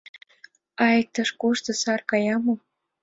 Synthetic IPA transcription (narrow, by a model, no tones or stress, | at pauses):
ɑjək̚t̪ɤ̆ʃkuʃt̪ɤ̆sɑrkɑjɑmo